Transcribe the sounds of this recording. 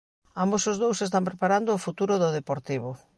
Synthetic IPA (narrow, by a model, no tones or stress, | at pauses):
ambosozðowsest̪ampɾepaɾand̪oːfut̪uɾʊðʊðepoɾt̪iβo